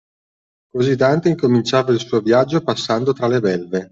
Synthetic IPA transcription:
kozid̪ant̪eiŋkomint͡ʃaːvailsuːovjad͡ʒːopasːand̪ot̪ɾalebɛlve

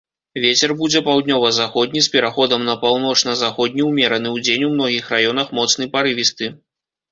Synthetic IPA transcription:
vʲet͡sʲɛrbud͡zʲɛpawd̪nʲɔvɐzaxɔd̪ʲnʲispʲɛɾaxɔd̪ɐmnɐpawnɔt͡ʂnɐzaxɔd̪̚ʲnʲiwmʲɛɾɐn̪ɨwd͡zʲenʲwmn̪ɔɣʲixrajɔn̪ɐxmɔt̪snɨjpaɾɨvʲist̪ɨ

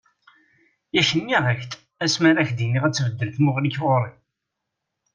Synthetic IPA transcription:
jæçənːiʁəçt̪ | æsmaɾæçd̪iniʁæt͡sːvəd̪ːəlθmʊʁliçʁʊɾˤi

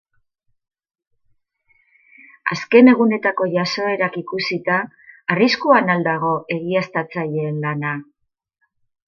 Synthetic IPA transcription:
a̰ske̞ne̞ɣ̞une̞t̪ako̞ʝaso̞e̞ɾakikusit̪aː | riskuanald̪aɣ̞o̞e̞ɣiast̪at͡saʎeːnlana

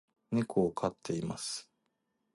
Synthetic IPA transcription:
nekʰoːkʰat̪ʰːe̞imasɨ̥

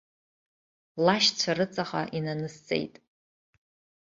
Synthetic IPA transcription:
laʃt͡ɕʷʰarɨt͡sʼaχa̰ʔinanɨst͡sʼḛjtʼ

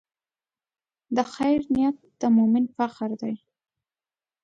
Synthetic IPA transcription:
d̪əxajɾnɪjat̪̚d̪̥əmʊmɪnfaqɾd̪aj

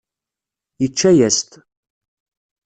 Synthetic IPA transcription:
jət͡ʃːæjæst̪

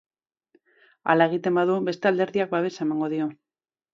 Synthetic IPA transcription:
a̰lae̞ɣ̞it̪e̞mbaðube̞st̪eald̪e̞ɾðiak̚baβe̞sae̞maŋɡo̞ðio̞

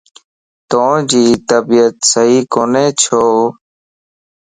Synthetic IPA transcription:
t̪õːd͡ʒiːt̪əbiːət̪səɦiːkoːneːt͡ʃʰoː

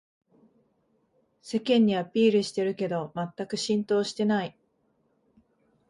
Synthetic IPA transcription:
se̞kẽ̞ɲ̟ːiapʲiːɾɯ̟ɕi̥t̪e̞ɾɯ̟ke̞d̪o̞mat̪ːakɯ̟ɕĩnt̪o̞ːɕi̥t̪e̞nai

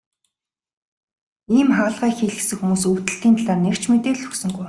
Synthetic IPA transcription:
iːmχăːɮʁæːxiːɮ̆sɘ̆ŋxumuːsɵwt̪ɘ̆ɬt̪iːnt̪ʰaɮaːrnew̥t͡ɕmet̪eːɮɵksɵ̆ŋɢuj

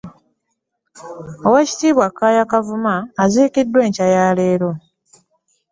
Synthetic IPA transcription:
oweci̥tiːβwakːaːjakavumaːziːkidːwe̞ːɲcajaːle̞ːɾo̞

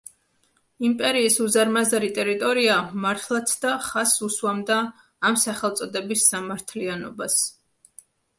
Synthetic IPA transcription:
impʼɛɾiːsuzaɾmazaɾit̪ʼɛɾit̪ʼɔɾiamaɾt̪ʰlˠat̪sʰd̪aχasuswamd̪aː | msaχɛlˠt̪sʼɔd̪ɛbisːamaɾt̪ʰlianɔbas

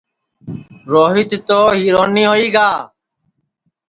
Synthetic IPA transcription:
ɾoːɦɪt̪t̪oːɦiːɾoːniːɦoːiːɡaː

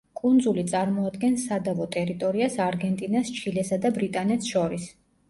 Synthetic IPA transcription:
kʼund̪zulit̪sʼaɾmɔad̪ɡɛnsad̪avɔt̪ʼɛɾit̪ʼɔɾiasaɾɡɛnt̪ʼinast͡ʃʰilɛsad̪abɾit̪ʼanɛt̪sʃɔɾis

